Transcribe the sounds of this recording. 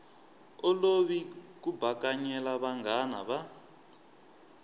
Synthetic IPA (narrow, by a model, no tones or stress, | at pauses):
ɔloβik̬ubʱakaɲɛlaβaŋɡana̰βa